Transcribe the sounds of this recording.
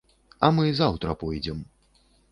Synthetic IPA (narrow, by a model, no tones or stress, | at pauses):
ɐmɨzawt̪ɾɐpɔjd͡zʲɛm